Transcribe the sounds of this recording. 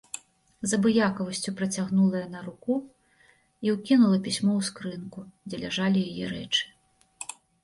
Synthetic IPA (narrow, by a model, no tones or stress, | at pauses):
zɐbɨjakɐvɐsʲt͡sʲupɾɐt͡sʲaɣnulˠɐjɐnɐɾuku | iwkʲinulˠɐpʲisʲmɔwskɾɨnkud͡zʲɛlʲaʐalʲijajɛɾɛ̰t͡ʂɨ̥